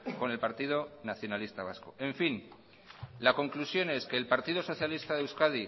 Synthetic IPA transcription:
ko̞ne̞lpaɾt̪ið̞onaθjo̞nalist̪aβ̞askoe̞ɱfin | lako̞ŋklusjo̞ne̞ske̞ːlpaɾt̪ið̞oso̞θjalist̪aðewskaði

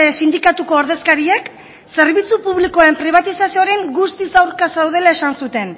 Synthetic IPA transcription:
esind̪ikat̪uko̞ːɾðe̞skaɾiek | se̞ɾβit͡supuβliko̞ae̞mpɾiβ̞at̪isasioɾe̞ŋɡust̪isawɾkasawð̞e̞lae̞sansut̪e̞n

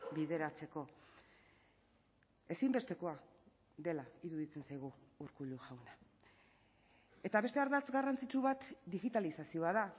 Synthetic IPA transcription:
biðe̞ɾat͡se̞ko̞ | e̞simbe̞st̪e̞ko̞a | d̪e̞laiɾuðit͡se̞nsajɣ̞uːɾkuluʝawna | e̞t̪aβe̞st̪e̞aɾðat͡sɡarant͡sit͡ʃuβat̪d̪iɣit̪alisasio̞aða

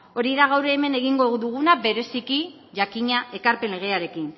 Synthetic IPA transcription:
o̞ɾiðaɣawɾeːme̞ne̞ɣiŋɡoðuɣ̞unabe̞ɾe̞siki | ʝakiɲaʔe̞kaɾpe̞nle̞ɣ̞e̞aɾe̞kin

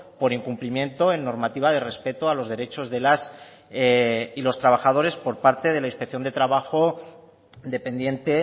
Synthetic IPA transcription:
po̞ɾiŋkumplimjẽ̞nt̪o̞enːo̞ɾmat̪iβ̞aðe̞re̞spe̞t̪oalo̞zð̞eɾet͡ʃo̞zðe̞las | ilo̞st̪ɾaβ̞axað̞o̞ɾe̞spo̞ɾpaɾt̪e̞ð̞e̞lainspekθjo̞nd̪e̞t̪ɾaβ̞axo̞ | d̪e̞pe̞nd̪je̞nt̪e̞

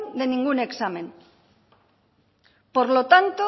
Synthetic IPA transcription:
nd̪e̞nĩŋɡune̞ksamẽ̞n | po̞ɾlo̞t̪ant̪o

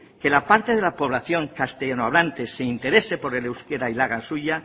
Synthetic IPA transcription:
ke̞lapaɾt̪e̞ð̞e̞lapo̞β̞laθjo̞ŋkast̪eʝanoaβ̞lant̪eseint̪e̞ɾe̞se̞poɾðelewskeɾailaɣansuʝa

